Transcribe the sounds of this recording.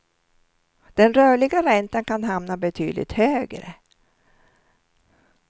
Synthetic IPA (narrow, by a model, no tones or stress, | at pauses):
d̪̥ɛnɾœːɭɪɡaɾɛnt̪ankʰanɦamnabɛt̪ʰyːd̪lɪ̰t̪høːɡɾə̰